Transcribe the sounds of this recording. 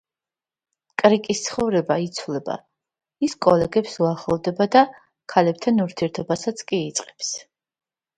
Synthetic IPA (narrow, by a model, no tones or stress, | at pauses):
kʼɾikʼist̪sʰχɔvɾɛbait̪sʰvlɛba̰ | iskʼɔlɛɡɛpsuaχlˠɔd̪ɛbad̪a | kʰalɛp̚t̪ʰanuɾt̪ʰiɛɾt̪ʰɔbasat̪sʰkʼiːt̪sʼqʼɛ̥ps